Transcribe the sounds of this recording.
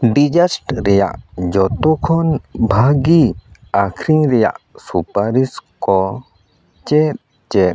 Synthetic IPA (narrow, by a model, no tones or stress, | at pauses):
ɖid͡ʒasʈɾɛja̰ʔd͡ʒɔt̪ɔkʰɔnbʱaɡi | akʰɾiŋɾɛja̰ʔsupaɾiskɔ | t͡ʃɛt̚ | t͡ʃɛ